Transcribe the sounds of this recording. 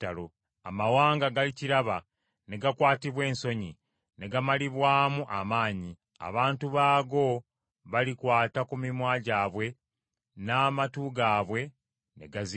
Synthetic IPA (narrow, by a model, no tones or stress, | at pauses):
talo | a̰mawaːŋɡaɡaliciɾaβa | ne̞ɡakwaːtiβwe̞ːnso̞ɲi | ne̞ɡamaliβwaːmuʔamaːɲi | a̰βaːntuβaːɡo̞ | βalikwaːtakumimwaːɟaːβwe̞ | naːmatuɡaːβwe̞ | ne̞̰ɡazi